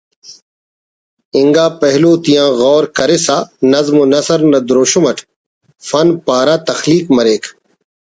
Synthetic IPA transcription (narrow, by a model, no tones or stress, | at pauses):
iŋɡaːpɐɦloːt̪ijãːɣɔːɾkɐɾesaːnɐzmonɐsɐɾnɐd̪ɾoːɕomɐʈʰ | fɐnpaːɾaːt̪ɐxliːkmɐɾeːkʰ